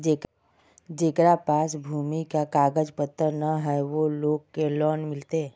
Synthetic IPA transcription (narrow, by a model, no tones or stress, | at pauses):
d͡ʒeːk | d͡ʒeːkɾapaːsbʱuːmikakaːɡəd͡ʒpət̪ːənəɦɛʋoloːɡ̚kelɔːnmɪlt̪e